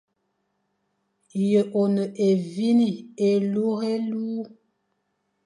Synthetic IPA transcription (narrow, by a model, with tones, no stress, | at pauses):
jə˨ʔo˨nə˨ʔe˨vi˦ni˨e˨lu˦ɣe˦lu˦